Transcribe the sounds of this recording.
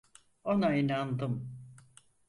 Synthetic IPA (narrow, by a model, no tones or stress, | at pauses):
onainand̪ɯm